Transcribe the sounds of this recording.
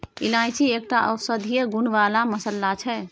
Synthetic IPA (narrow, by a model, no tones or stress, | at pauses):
ilãjt͡ʃʰieːk̚ʈaʔəsəd̪ʱijəɡunʋaːlaməsəlːat͡ʃʰɛ